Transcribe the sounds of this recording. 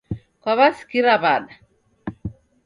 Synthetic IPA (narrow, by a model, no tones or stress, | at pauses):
kaβaskiɾabad